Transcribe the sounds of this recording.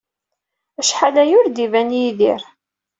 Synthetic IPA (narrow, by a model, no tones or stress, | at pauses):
æʃħalæjʊɾd̪ivænjiðḭɾ